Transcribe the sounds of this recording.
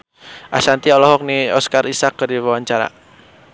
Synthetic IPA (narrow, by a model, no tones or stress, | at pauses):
ʔa̰sant̪iɔlɔhɔk̚niɔskaɾisakːərdiwawaɲt͡ʃaɾa̰